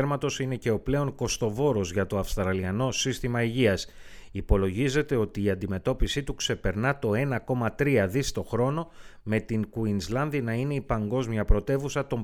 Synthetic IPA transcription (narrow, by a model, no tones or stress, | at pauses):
ɾmɐt̪o̞sine̞ce̞o̞ple̞o̞ŋko̞st̪o̞vo̞ɾo̞zʝɐt̪o̞ɐfst̪ɾɐliɐno̞sist̪imɐiʝiɐsipo̞lo̞ʝize̞t̪e̞o̞t̪iːɐnd̪ime̞t̪o̞pisit̪ukse̞pe̞ɾnɐt̪o̞e̞nɐko̞mɐt̪ɾiɐðist̪o̞xɾo̞no̞me̞t̪iŋkuinzlɐnðinɐine̞ipɐŋɡo̞zmjɐpɾo̞t̪e̞vusɐt̪o̞m